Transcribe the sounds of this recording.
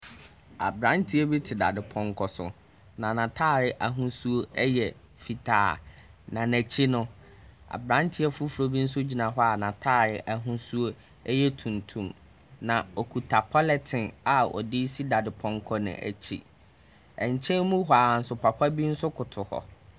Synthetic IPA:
a̰˨bɾã˦ntʰi˦ɛ˦bi˦tʰɪ˨da̰˨dɪ˨pʰɔ̃˦ŋkʰɔ˨sʊ̰˨ | nã˨nã˨tʰaː˦˨ɾɪ˨ʔa˨ɦũ˦su˦o˦ɛ˦jɛ˨ | fi˨tʰa̰ː˨nã˨næ˨t͡ɕʰi˦nʊ̃˦ | a̰˨bɾã˦ntʰɪ˦ɛ˦fu˦fu˨ɾo˦bi˦n̩˦s̬ʊ˦d͡ʑi˨nã˨ɦɔ˦a˦˨nã˨tʰaː˦˨ɾɪ˨ʔa˨ɦũ˦su˦o˦ | ɛ˦jɛ˦tʰũ˨ntʰũ˨m | nã˨ɔ˨kʰu˨tʰa˨pʰɔ˦lɛ˨tʰɪ̃˨na˨ɔ̰˨dɪ˦si˦da˨dɪ˨pʰɔ̃˦ŋkʰɔ˦nɪ̰̃˨ʔæ̰˨t͡ɕʰḭ˦ | ɛ˨ɲ˨t͡ɕʰɛ̃˦mũ˦ɦa˨a˨n̩˨sʊ˨pʰa˨kʰa˦bi˦n̩˦sʊ˦kʰʊ˨tʰʊ˨hɔ̰˨

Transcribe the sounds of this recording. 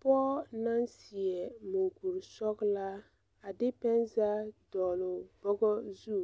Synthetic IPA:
pɔː˦na˦nsi˨ɛ˨mu˨ŋɡu˨ɾsɔ˦kla˦ | a˨dɪ˦pɛ˦nza˦dɔː˨lʊ˨bɔ˦ɡɔ˦zu˦˨

